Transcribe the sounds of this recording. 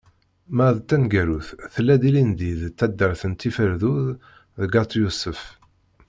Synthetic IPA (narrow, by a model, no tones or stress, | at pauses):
mæðt̪ːænɡæɾuθθəlːæd̪ilind̪iðt̪ːæd̪ːəɾθənt̪ːifəɾðuð | ðəɡɑt̪ˤjusəf